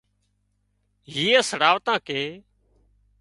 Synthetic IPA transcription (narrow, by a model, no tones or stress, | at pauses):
ɦiːaːsəɽaːʋt̪ãːkeː